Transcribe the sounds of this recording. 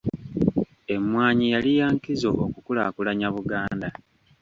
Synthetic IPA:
e̞mwaːɲijalijaːŋkizo̞̰ʔokukulakulaɲaβuɡaːnda

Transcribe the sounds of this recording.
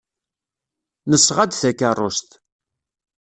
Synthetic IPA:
nəsːʁad̪θækːarˤːoʃt̪

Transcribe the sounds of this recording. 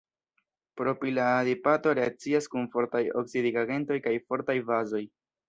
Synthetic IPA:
pɾo̞piladipato̞ɾe̞at͡siaskunfo̞ɾtajo̞̰ksidiɡaɡe̞nto̞jkajfo̞ɾtajvazo̞j

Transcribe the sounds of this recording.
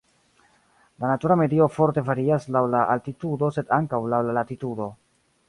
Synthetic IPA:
lanatuɾame̞dio̞fo̞ɾte̞faɾiaslawlaʔaltitudo̞se̞daŋkawlawlalatitudo̞

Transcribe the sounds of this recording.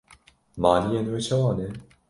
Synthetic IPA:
maːnijeːnwɛt͡ʃʰɛwɑːnɛ

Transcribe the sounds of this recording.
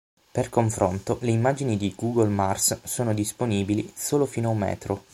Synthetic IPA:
perkoɱfɾont̪oleimːaːd͡ʒinid̪iɡuːɡolmarssoːnod̪isponiːbilisoːlofinoaumːɛ̰ːt̪ɾo

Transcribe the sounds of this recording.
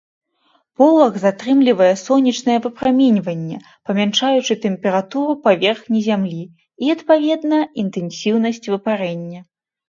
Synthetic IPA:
pɔlˠɐɣzat̪ɾɨmlʲivɐjɛsɔnʲːit͡ʂnɐjɛvɨpɾamʲɛnʲvɐnʲːɛ | pɐmʲant͡ʂajut͡ʂɨt̪ɛmpʲɛɾat̪uɾupavʲɛrxnʲizʲamlʲi | iɐt̪pavʲɛd̪nɐint̪ɛnsʲiwn̪ɐsʲt͡sʲvɨpaɾɛnʲːɐ

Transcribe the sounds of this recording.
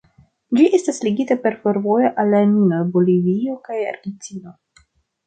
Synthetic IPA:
d͡ʒiʔe̞stasliɡitape̞ɾfo̞ɾvo̞jo̞ʔalːaninobolivio̞kaja̰ɾɡentino̞

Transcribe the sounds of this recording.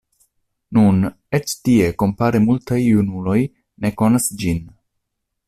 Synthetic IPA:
nun | et͡ʃtie̞ko̞mpaɾemultajunulo̞j | ne̞ko̞nasd͡ʒin

